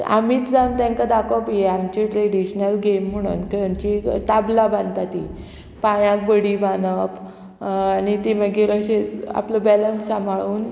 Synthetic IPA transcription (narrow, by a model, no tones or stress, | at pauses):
a̰miːt̪d͡zawnt̪ãŋkad̪akʰopjeamt͡ɕeʈɾeɽiɕnəlɡem̤ːəɽ̃ṵːnkəamt͡ɕit̪ablaband̪t̪at̪i | pãjãk̚bəɽibanəp | anit̪iməɡiɾəɕea̰pləbɛlənsamʱaɭuːn